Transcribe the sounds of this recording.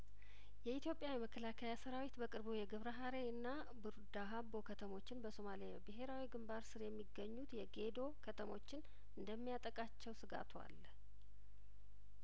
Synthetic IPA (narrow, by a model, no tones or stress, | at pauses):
jɛit̪jo̞pʼjawiməkʰːəlakʰajasəɾawit̪bəkʼɨɾbujɛɡɨβɾəɦaɾeɨnːa | bɨɾd̪aɦabo̞kʰət̪ʰəmo̞t͡ʃːɪnbəso̞malijabɨɦe̞ɾawiɡɨmbaɾsɨɾjɛmːiɡːəɲːut̪jɛɡe̞d̪o̞kʰət̪ʰəmo̞t͡ʃːɪn | ɨnd̪əmːijat̪ʼəkʼat͡ʃːɛwsɨɡa̰t̪ʰwa̰l